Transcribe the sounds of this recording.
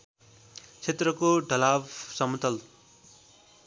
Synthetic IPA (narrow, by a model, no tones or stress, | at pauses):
t͡sʰet̪rʌkoɖʱʌlabsʌmut̪ʌl